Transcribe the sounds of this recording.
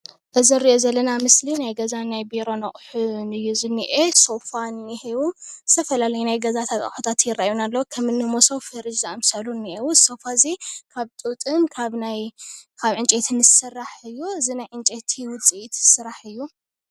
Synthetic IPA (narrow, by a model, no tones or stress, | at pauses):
ʔɨziɾiʔozɐlːɐnamɨslinajɡɐzanajbiɾo̞nɐχʼħunɨjːuzɨnːiʔeso̞fanihewuzɨ̥t̪ʰɐfɐlalɐjunajɡɐzat̪ʰakʼa̰ħot̪ʰat̪jɪrːaʔjunalːɐwkʰɐmɨnːɨmosowfɨɾɨd͡ʒziamsɐlunːiʔewuso̞fazikʰaβt̪ʼɨt̪ʼɨmkʰaβnajkʰaβʕɨnt͡ʃʼet̪ʰinɨsɨrːaħɨjːuɨzinajʕɨnt͡ʃʼet̪ʰiwʊt͡sʼiʔit̪sɨɾaħɨjːu